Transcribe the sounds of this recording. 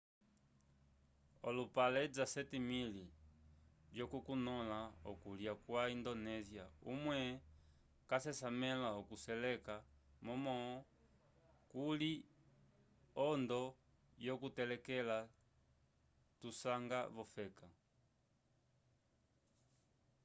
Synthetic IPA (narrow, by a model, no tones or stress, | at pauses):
ɔlupalɛd͡zasɛtimili | d͡ʒjɔkukunɔlaɔ̰kuljakwaindɔnɛziaṵmwɛ | kasɛsamɛlaɔkusɛlɛka | mɔmɔ | kuli | ɔndɔ | jɔkutɛlɛkɛla | tusaŋɡaβɔfɛka